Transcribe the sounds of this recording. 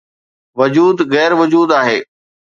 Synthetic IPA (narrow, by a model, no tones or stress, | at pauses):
ʋʊd͡ʑuːd̪ɣɛːɾʋʊd͡ʑuːd̪aːɦeː